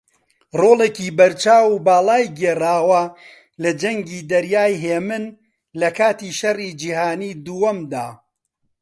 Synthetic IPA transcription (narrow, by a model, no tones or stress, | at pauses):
roːlˠeːciːbɐɾt͡ʃaːwubaːlˠaːjɡeːraːwɐ | lɐd͡ʒɐŋɡiːd̪ɐɾjaːjɦeːmɨn | lɐkaːt̪iːʃɐriːd͡ʒiɦaːniːd̪uwɐmd̪aː